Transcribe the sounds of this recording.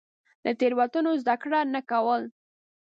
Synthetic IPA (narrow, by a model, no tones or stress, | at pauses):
d̪ət̪eɾwat̪unozd̪akɽanakawəl